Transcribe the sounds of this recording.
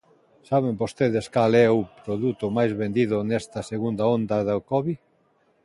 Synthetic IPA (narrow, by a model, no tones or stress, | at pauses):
saβ̞embost̪eð̞eskalɛʊpɾoðut̪ʊmajzβend̪iðʊnɛst̪ɐseɣund̪aond̪ɐðakɔβi